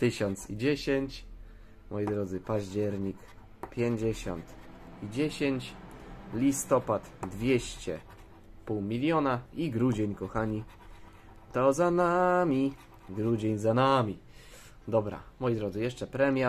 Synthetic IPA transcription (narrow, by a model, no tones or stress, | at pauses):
t̪ɘɕɔnt̪sid͡ʑeɕeɲt͡ɕ | mɔjid̪ɾɔd̪zɘpaʑd͡ʑɛɾɲik | pʲjeɲd͡ʑeɕɔ̰nt̪ | id͡ʑeɕeɲt͡ɕlʲist̪ɔpat̪d̪vʲjeɕt͡ɕɛ̰ | puwmʲilʲjɔnaiɡɾud͡ʑeɲkɔxaɲi | t̪ɔzanamʲi | ɡɾud͡ʑeɲzanamʲi | d̪ɔbɾa̰mɔjid̪ɾɔd̪zɘjɛʂt͡ʂɛpɾɛmʲja